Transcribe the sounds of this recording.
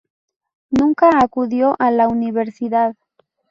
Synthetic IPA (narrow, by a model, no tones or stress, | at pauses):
nũŋkaːkuðjoʔalauniβ̞eɾsiðað